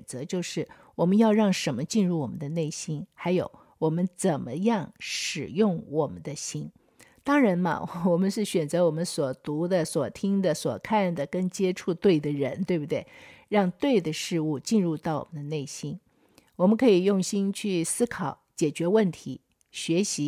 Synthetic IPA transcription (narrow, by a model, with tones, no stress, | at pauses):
nt͡sɤ˧˥t͡ɕjo˥˧ʊʂɻ̩˥˩ | wɔ˨˩mə˦njɑ˥˧ʊɻɑ˥˩ŋʂə˧˥nmə˧t͡ɕi˥˧nɻu˥˩wɔ˨˩mə̰˦nd̪ə˧ne˥˩ɪɕi˥nxa˧˥ɪjo˨˧˩ʊ | wɔ˨˩mə˦nt͡sə˨˩nmə˦jɑ˥˩ŋʂɻ̩˨˩jʊ˥˩ŋwɔ˨˩mə̰˦nd̪ə˧ɕi˥n | t̪ɑ˥ŋɻa˧˥nmɐ̰˧wɔ˨˩mə˦nʂɻ̩˥˩ɕɥɛ˨˩nt͡sɤ˧˥wɔ˨˩mə˦nswɔ˨˩t̪u˧˥d̪ə˨swɔ˨˩t̪ʰi˥ŋd̪ə˨swɔ˨˩kʰa˥˩nd̪ə˩kə˥nt͡ɕjɛ˥ʈ͡ʂʰu˥˧t̪we˥˩ɪd̪ə˩ɻə˧˥nt̪we˥˧ɪbu˩t̪we˥˩ɪɻɑ˥˧ŋt̪we˥˩ɪd̪ə˩ʂɻ̩˥˧u˥˧t͡ɕi˥˧nɻu˥˧t̪ɑ˥˩ʊwɔ̰˨˩mə˦nd̪ə˧˦ne˥˩ɪɕi˥n | wɔ˨˩mə˦nkʰɤ˧˥i˨˩jʊ˥˩ŋɕi˥nt͡ɕʰy˥˩sɹ̩˥kʰɑ˨˩˦ʊt͡ɕjɛ˨˩t͡ɕɥɛ˧˥wə˥˩nt̪ʰi˧˥ | ɕɥɛ˧˥ɕi˧˥